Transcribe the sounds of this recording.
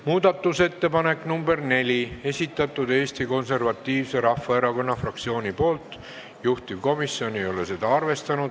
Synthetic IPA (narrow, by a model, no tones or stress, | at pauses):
muːd̪̥ɑt̪ˑːuse̞t̪ːe̞pɑne̞knumbe̞rne̞lʲie̞sʲit̪ˑːɑt̪ːˑud̪̥e̞ːsʲt̪iko̞nse̞rvɑt̪ːˑiːvse̞ɾɑfːɑe̞ɾɑko̞nːɑfrɑkt̪sio̞ːnʲipo̞ːlt̪ːˑ | juht̪iv̥ko̞misːjo̞nejo̞le̞se̞d̪̥ɑɑrve̞st̪ɑnud̪̥